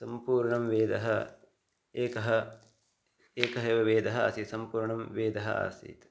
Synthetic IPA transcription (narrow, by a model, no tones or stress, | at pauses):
sɐmpuːɾɳɐmʋeːd̪ɐɦɐ | eːkɐɦɐ | eːkɐɦɐʋɐʋeːd̪ɐɦɐa̰ːsit̪sɐmpuːɾɳɐmʋeːd̪ɐɦɐ̰a̰ːsḭt̪